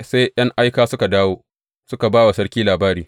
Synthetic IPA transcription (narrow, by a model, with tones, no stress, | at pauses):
se˦jj̰ɐ˦ŋʔa˦jkaː˦sʊ˦ka˨daː˦woː˦ | sʊ˦ka˨baː˦wa˨sɐ˦ɽkʲiː˦laː˨baː˦ɽiː˨